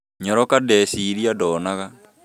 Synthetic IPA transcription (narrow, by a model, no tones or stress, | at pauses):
ɲɔɾɔkadɛːsiɾiadɔːnaɣa